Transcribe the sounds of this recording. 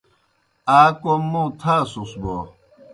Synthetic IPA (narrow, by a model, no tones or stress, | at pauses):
aːkomːũt̪ʰaːsusbo